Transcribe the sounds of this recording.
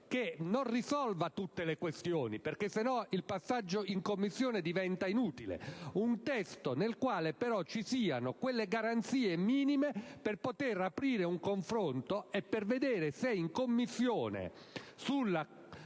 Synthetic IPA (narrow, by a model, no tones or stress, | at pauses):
kenonrisɔlvat̪ut̪ːelekwest̪joːniperkesːenɔilpasːad͡ʒːoiŋkomːisːjoːned̪ivɛnt̪ainuːt̪ilḛunt̪ɛst̪onelkwaːlepeɾɔt͡ʃːisiːanokwelːeɡaɾant̪siːemiːnimeperpot̪erapɾiːɾeuŋkoɱfɾont̪oɛpːerved̪eːɾeseiŋkomːisːjoːnḛ | sulːa